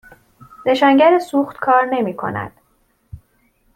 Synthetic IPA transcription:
ze̞ʃæːɲɟæɾesuːxt̪kʰɒːɾne̞miːkʰo̞̰næ̰d̪̥

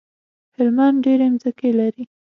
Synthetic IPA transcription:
hɪlmanɖeɾemzəkelaɾi

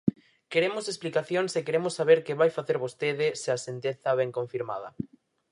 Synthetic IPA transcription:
keɾemʊsesplikaθjoŋsekeɾemʊsːaβeɾkeβajfaθeɾβost̪eðɪseasent̪eθaβɛŋkõɱfiɾma̰ðɐ

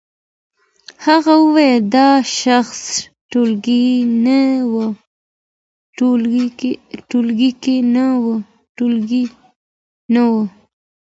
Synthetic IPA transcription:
haɣawəwajed̪ɑʃaxs | ʈolɡinawə | ʈulɡikenawə | ʈulɡi | nawə

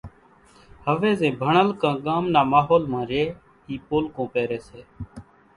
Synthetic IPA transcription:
həʋeːzẽːbʱəɳəlkãːɠaːmnaːmaːɦoːlmãːɾeː | iːpoːlkõːpeːɾeːseː

